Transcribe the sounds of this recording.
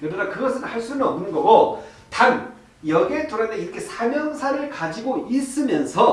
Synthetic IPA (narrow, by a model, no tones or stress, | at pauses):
kɯɾʌnakɯɡʌsʰɯnhaɭs͈unɯnʌmnɯnɡʌɡo | tan | jʌɡetʰoɾadeiɾʌkʰe̞sʰamjʌŋsʰaɾɯɭkad͡ʑiɡois͈ɯmjʌnsʰʌ